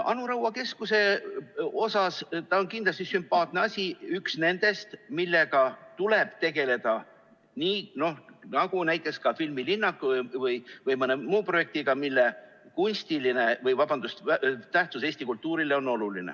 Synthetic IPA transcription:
ʔɑ̰nuɾɑwːɑke̞skuse̞ | o̞sɑst̪ɑonkind̪lɑst̪isympːɑːt̪ne̞ɑsʲiyksne̞nd̪̥e̞st̪milːe̞ɡɑt̪ule̞b̥t̪e̞ɡ̥e̞le̞d̪̥ɑ | niːno̞hnɑɡ̥unæjt̪ːˑeskɑfilmilinːɑkːvɯjvɯjmɤnemuːpro̞je̞k̚t̪iɡ̥ɑmilːe | kunʲst̪iline̞vɯjvɑbɑnd̪ust̪t̪æht̪suse̞ːsʲt̪ikult̪ˑːuːɾileo̞no̞lulinḛ

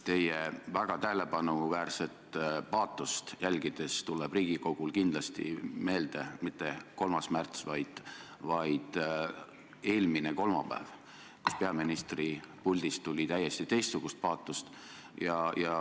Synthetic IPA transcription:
t̪e̞jevæɡ̥ɑt̪æhele̞pɑnuvæːrse̞t̪pɑːt̪ːˑust̪jælʲɡ̥id̪̥e̞st̪ulɛb̥riːɡ̥iko̞ɡ̥ulkind̪̥lɑst̪ḭme̞ːld̪̥emit̪ːe̞ko̞lmɑsmært̪svɑjd̪̥ | vɑjd̪̥ | e̞ːlmineko̞lmɑ̰pæ̰ːv | ku̥spe̞ɑminist̪ripulʲd̪̥ist̪ːulʲit̪æjːe̞st̪it̪e̞jst̪suɡ̥ust̪̚pɑːt̪ːˑust̪ | jɑjɑ

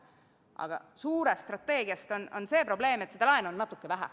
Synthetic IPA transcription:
ʔɑ̰ɡ̥ɑ̰suːɾest̪rɑt̪ːˑe̞ːɡiɑst̪o̞no̞nse̞ːpɾo̞ble̞ːmet̪sed̪ɑlɑenonnɑt̪ːˑukːevæɦæ̰

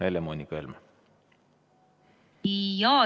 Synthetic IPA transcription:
elemonʲikelme | ijɑ

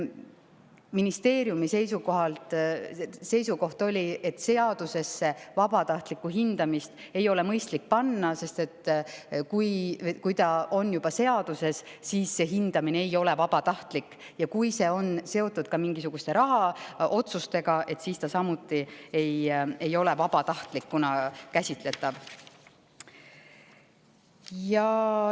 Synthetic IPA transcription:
minist̪e̞ːɾjumise̞jsuko̞ɦɑlt̪ | se̞jsuko̞ht̪o̞lʲie̞t̪ːˑse̞ɑd̪̥use̞sːe̞vɑbɑt̪ɑht̪likːˑuɦind̪̥ɑmist̪ | e̞jo̞le̞mɤjst̪lik̚pɑnːɑse̞st̪e̞t̪ːkujkujt̪ɑo̞njubɑse̞ɑd̪̥use̞ssiːsːe̞ɦind̪̥ɑmineejo̞le̞vɑb̥ɑt̪ɑht̪likː | jɑkujse̞o̞nse̞o̞t̪ːˑud̪̥kɑmiŋɡisuɡ̥ust̪e̞ɾɑɦɑo̞t̪sust̪e̞ɡɑʔe̞t̪siːst̪ɑsɑmut̪ːˑie̞je̞jo̞le̞vɑb̥ɑt̪ɑht̪likːunɑkæsʲit̪le̞t̪ːˑɑv | jɑ

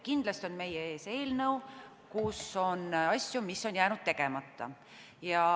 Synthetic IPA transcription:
kind̪lɑst̪o̞nme̞jee̞ːse̞ːlnəw | kuso̞nɑsʲjumisːo̞njæːnud̪̥̚t̪e̞ɡe̞mɑt̪ːɑ̰ | jɑ

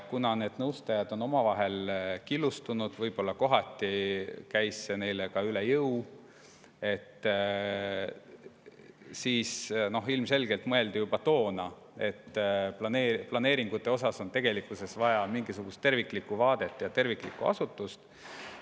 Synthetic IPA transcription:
kunɑne̞ːd̪̥nɤwst̪ɑjɑd̪̥o̞no̞mɑvɑɦe̞lkilːust̪unud̪̥vɤjb̥o̞lːɑko̞ɦɑt̪ːˑikæjsːe̞ne̞jlekɑylejɤw | e̞t̪ː | siːsno̞ɦilmse̞lɡ̥e̞lt̪mɤe̞ld̪ijub̥ɑt̪o̞ːnɑ | e̞t̪ːplɑneːplɑne̞ːɾiŋɡ̥ut̪ːˑe̞o̞sɑso̞nt̪eɡ̥e̞likːˑuse̞svɑjɑmiŋɡisuɡ̥ust̪ːe̞rvikˑlikːuvɑːd̪e̞t̪ːˑjɑt̪e̞rviklḭkːuɑ̰sut̪ːˑust̪

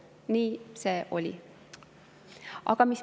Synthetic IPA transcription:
niːseːʔo̞̰lʲḭ | ʔɑ̰ɡ̥ɑmis

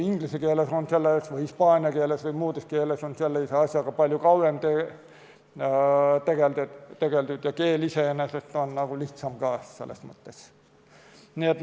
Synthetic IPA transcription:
iŋɡ̥lisekeːlesonselːɑsʋɯjispɑːnʲiɑkeːlesʋɯjmuːd̪eskeːlesonseelːeiseɑsʲjɑkɑpɑlʲjukɑuemt̪e | t̪eɡ̥elt̪e̥t̪eɡ̥elt̪yt̪jɑkeːliseneset̪ːˑonnɑɡ̥uliht̪sɑmkɑːssḛlːḛsmɤt̪ːes | niet̪

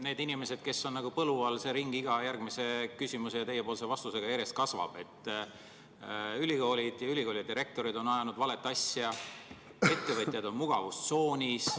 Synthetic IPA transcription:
ne̞ːd̪inime̞se̞d̪̥ke̞sːo̞nnɑɡ̥upɤluɑlse̞ɾiŋɡ̥iɡ̥ɑjærɡ̥mise̞kysʲimusejɑt̪e̞jepoːls̬e̞vɑst̪use̞ɡ̥ɑeɾest̪̚kɑsvɑ̰b̥e̞t̪ːˑ | ylʲiko̞ːlʲid̪̥jɑyliko̞ːlʲjɑd̪iɾe̞k̚t̪o̞ɾid̪o̞nɑjɑnud̪̥vɑle̞t̪ːˑɑsjɑ | e̞t̪ːe̞vɤt̪ʲˑjɑd̪o̞nmuɡ̥ɑ̰vust̪so̞ːnʲis

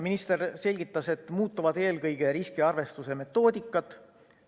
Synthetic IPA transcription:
minist̪e̞rse̞lʲɡit̪ːɑse̞t̪ːˑmuːt̪ːˑuvɑd̪e̞ːlkɤjɡ̥e̞ɾiskiɑrve̞st̪use̞me̞t̪ːˑo̞ːd̪̥ikːˑɑt̪ːˑ

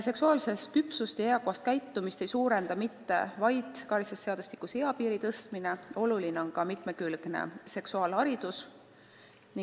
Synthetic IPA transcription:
se̞ksuɑːlse̞st̪̚kypsust̪eeɑkuɑst̪̚kæjt̪ːumist̪e̞jsuːɾe̞nd̪ɑmit̪ːe̞̰vɑjd̪̥kɑɾsesːe̞ɑd̪usʲt̪i̥kuseɑpiːɾit̪ɤst̪mine̞o̞lulineo̞nkɑmit̪ˑme̞kylɡ̥ne̞̰se̞ksuɑːlhɑɾid̪̥us | ni

